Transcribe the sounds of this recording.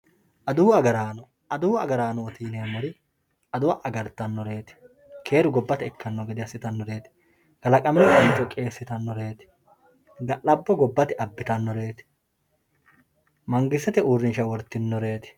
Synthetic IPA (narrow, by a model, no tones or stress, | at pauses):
ʔɐd̪ʊwɐɡɐɾaːnɔ | ɐd̪ʊwɐ̰ɡɐɾaːnɔɔt̪iːneːmɔɾɪ | ɐd̪ʊwɐʔɐɡɐɾt̪ːɐnːɔɾe̞ːt̪ɪ̥ | kʰe̞ːɾʊɡɔbːɐt̪ɛɛkːɐnːɔɡɛd̪ɪɐsːɪt̪ɐnːɔɾeːt̪ɪ̥ | ɡ̥ɐlɐkʼɐmɛnɛkʼɐnt͡ʃʼːɔkʼe̞ːsːɪt̪ɐnːɔɾe̞ːt̪ɪ̥ | ɡɐlɐbːɔɡɔbːɐt̪ɪɐbːɪt̪ɐnːɔɾe̞ːt̪ɪ̥ | mɐŋɡɪsːɛt̪ɛuːrːɪnʃɐwɔɾt̪ːɪnːɔɾe̞ːt̪ɪ̥